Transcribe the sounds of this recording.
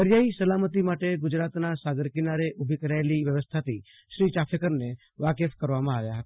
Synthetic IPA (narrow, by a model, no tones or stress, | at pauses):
əɾjaisəlamət̪imaʈeɡʊd͡ʒɾat̪nasaɡəɾkɪnaɾeʔʊbʱikəɾaeliʋjəʋəst̪ʰat̪i | ʃɾiːt͡ʃapʰekəɾne | ʋakefkəɾʋamãaʋjaɦət̪